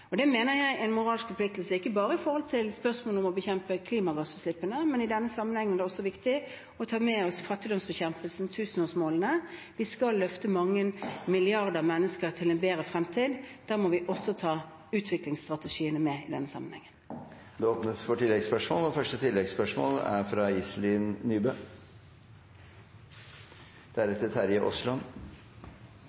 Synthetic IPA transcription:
ɔd̪ɛmeːnəɾjæɪʔɛɪnmʊʁɑːlskfɔpʰlɪk̚t̪lsəɪkːəbɑːɾəɪfɔɾhɔlt̪ʰɪlspœʁsmoːɔmɔbəçɛmpəkʰliːmɑɡɑsbnsɪpːənəmɛnɪd̪ɛnːəsɑmːənhɛŋːənæd̪ɛɔsːɔʋɪkt̪ɪ | ɔt̪ʰɑːmɛɔsfɑt̪ːɪd̪ɔmsbɛçɛmpəlsnt̪ʰʉːsən̩oːsmoːlənə | ʋɪskɑlːœft̪əmɑŋːənmɪlɪɑʁd̪əʁmɛnːəskəʁt̪ʰɪlɛnbeːɾəfɾɛmt̪ʰiːd̪d̪̥æːʁmɔʋɪʔɔsːɔt̪ʰɑː | ʉːt̪ʰʋɪklɪŋst̪ʁɑt̪əʂiːənəmɛɪd̪ɛnːəsɑ̰mːənhɛŋːən | d̪ɛoːpnəsfɔʈɪlːɛɡspœʂmoːlɔfœʂʈət̪ʰɪlːɛɡspœʂmo̰ːlæ̰ɾfɾɑɪslɪːnːyːbøː | d̪̥æɾɛt̪ːət̪ʰæɾjəʔɔslɑn

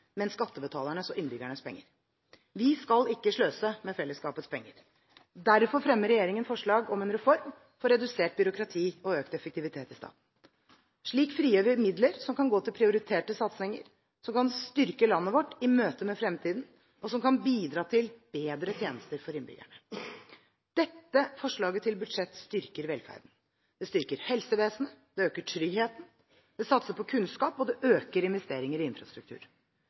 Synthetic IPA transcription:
mɛnskɑt̪ːəbət̪ʰɑːləɳəsɔʔɪnːbʏɡæɳəspʰɛ̰ŋːəɾ | ʋɪskɑlɪkːəʂɭøːsəmɛfɛlːəskɑːpət̪spʰɛŋːəɾ | d̪æɾfɔɾfɾɛmːəɾːɛjeːɾɪŋənfɔʂɭɑːɡɔmɛnɾɛfɔɾm | fɔɾːɛd̪ʉseːʈ̚bʏɾʊkɾɑt̪ʰiːɔøːkt̪ɛfək̚t̪ɪʋɪt̪ʰeːt̪ɪst̪ɑ̰ːt̪n̩ | ʂɭiːkfɾiːøːʋɪmɪd̪ləɾsɔmkɑnɡoːt̪ʰɪlpʰɾɪʊɾɪt̪ʰeːʈəsɑt̪shɪŋːə̰ɾ | sɔmkɑnst̪ʏɾkəlɑnːəʋɔʈːɪmøːt̪əmɛfɾɛmt̪ʰiːd̪n̩ | ɔsɔmkɑnbiːd̪ɾɑːt̪ʰɪlb̥eːd̪ɾət̪ʰjeːnəst̪əɾfɔɾɪnbʏ̰ɡæ̰ɳə | d̪̥ɛt̪ːəfɔʂɭɑːɡət̪ʰɪlbʉd̪ʂɛt̪ːst̪ʏɾkəɾʋɛlfæ̰ɾd̪n̩ | d̪̥ɛst̪ʏɾkəɾhɛlsəʋeːsn̩əd̪̥ɛøːkəʈʰɾʏɡheːt̪n̩ | d̪̥ɛsɑt̪səpʰɔkʰʉnskɑːpɔd̪ɛʔøːkəɾɪnʋɛst̪eːɾɪŋəɾɪɪnfɾɑst̪ɾʉkt̪ʉ̰ːɾ

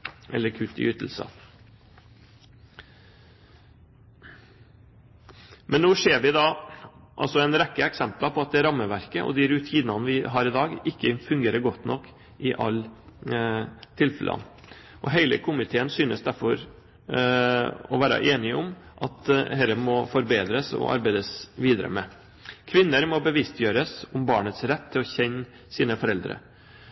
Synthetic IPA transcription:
ʔɛ̰lːəɾkʰʉt̪ːɪ̰yːt̪l̩sə̰ | mɛnːoːʂeːɾʋɪd̪ɑːʔɑ̰lsɔɛɪnɾɛkːəɛksɛmplɑpʰɔɑt̪̚d̪ɛɾɑmːəʋæɾkəʔɔ̰d̪ɪɾʉt̪ʰiːnɑnəʋɪɦɑːɾɪd̪ɑːɡɪkːəfʉŋɡeːɾəɾɡɔt̪nɔkː | ɪʔɑ̰lː | t̪ʰɪlfɛlʔɑ̰n | ʔɔɦeɪləkʰʊmɪt̪ʰeːənsyːnəsd̪æɾfɔɾ | ɔʋæːɾə̰ʔeːnɪʊmʔɑt̪hɛɾəmɔfɔɾbeːd̪ɾəsɔ̰ʔɑ̰ɾbæɪd̪əsʋiːd̪əɾə̰mɛ̰ | kʰʋɪnːəɾmɔbəʋɪst̪ʰjøːɾəsʊmbɑːɳət̪sɾɛt̪ʰːɪlɔçɛɲ | siːnəfɔɾɛld̪ɾə̰

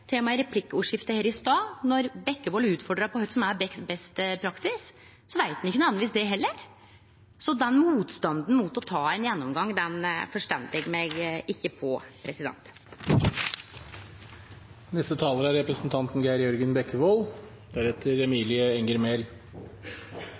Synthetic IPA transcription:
t̪ʰeːmɑɪɾɛpʰlɪkːəuːʂɪft̪əheːɾɪst̪ɑːnɔɾbɛkːəʋoːlʉːt̪fɔɖɾɑpʰɔhœt̪sɔmæɾbɛbɛst̪pʰɾɑksɪs | sɔʋæɪt̪̚d̪ɪçːənɑːnʋiːsd̪ɛɦɛlːəɾ | sɔd̪ɛnmuːt̪st̪ɑnd̪n̩muːt̪ɔt̪ʰɑːɛɪnjɛnːɔmɡɑŋːd̪ɛnfɔʂʈɛnd̪lɪɡmɛɡɪçːəpʰɔpʰɾɛsɪd̪ɛ̰nt̪ | nɛst̪ət̪ʰɑːləɾæɾɾɛpɾəsnt̪ʰɑnt̪nɡæɪɾjɔɾɡənbɛkːəʋoːl | d̪̥æɾɛt̪ʰəɾɛmiːlɪəɛŋəɾmel

